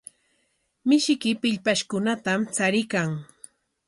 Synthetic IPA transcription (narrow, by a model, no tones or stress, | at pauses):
mɪʃɪkɪpɪʎpaʃkʊnat̪amt͡saɾɪkaŋ